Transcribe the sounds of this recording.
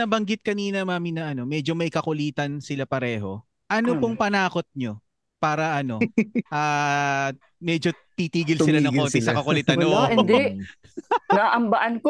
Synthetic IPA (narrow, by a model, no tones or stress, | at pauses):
nɐbɐŋɡɪt̪̚kɐniːnɐmaːmɪnɐʔɐno̞mɛd͡ʒo̞mɐjkɐkʊliːt̪ɐnsɪlapɐɾɛːɦo̞̰ | ʔɐnopoŋpɐnaːko̞t̪̚ɲo̞ | paːɾɐʔɐno̞ʔaː | mɛːd͡ʒot̪it̪iːɡɪlsɪlanɐ̃ŋoːnt̪ɪsɐkɐkʊlɪt̪ɐoɪd̪ɛʔ | nɐaʔɐmbɐʔɐnk